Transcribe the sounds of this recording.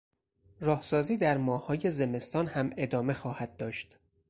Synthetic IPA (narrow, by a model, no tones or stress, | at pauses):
ɾɒːhsɒːziːd̪æɾmɒːhɒːje̞ze̞me̞st̪ɒːnhæme̞d̪ɒːme̞xɒːhæd̪̚ːɒːʃt̪